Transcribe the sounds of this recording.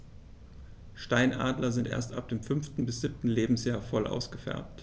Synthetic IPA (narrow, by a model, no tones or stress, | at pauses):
ʃtaɪnʔa̰ːdlɐzɪntʔḛːɐstʔa̰p̚d̥eːmfʏnftn̩bɪsz̥ɪp̚tn̩leːbm̩sjaːɐfɔlʔa̰ʊsɡ̥əfɛ̰ɐp̚t